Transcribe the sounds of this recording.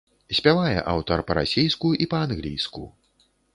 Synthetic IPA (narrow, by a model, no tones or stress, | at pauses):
sʲpʲavajɛ̰ʔa̰wt̪ɐrpɐɾa̰sʲijskuʔipɐanɣlʲijskṵ